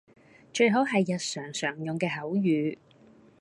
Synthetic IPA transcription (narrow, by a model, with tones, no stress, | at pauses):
t͡ʃɵ˧ɥɦo˨˥wɦɐ˨jːɐ˨t̚sœː˨˩ŋsœː˨˩ŋjʊ˨ŋkɛː˧ɦɐ˨˥wjyː˨˧